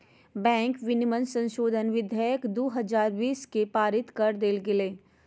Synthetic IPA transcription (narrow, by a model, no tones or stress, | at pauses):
bɛ̃ːŋkʋɪnɪmənsə̃nʃoːd̪ʱənʋɪd̪ʱjaːjəkd̪oːɦɐzaːɾʋiːskepaːɾɪt̪kɐɾd̪eːlɡɪleː